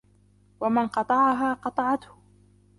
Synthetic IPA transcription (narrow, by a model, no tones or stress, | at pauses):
wamanqɑt̪ˤɑʕɑɦaːqɑt̪ˤɑʕɑt̪hʊ